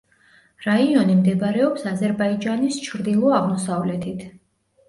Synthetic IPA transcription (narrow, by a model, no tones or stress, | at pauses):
ɾaiɔnimd̪ɛbɾɛɔpsazɛɾbaid͡ʒanist͡ʃʰɾd̪ilˠɔaʁmɔsavlɛt̪ʰit̪ʰ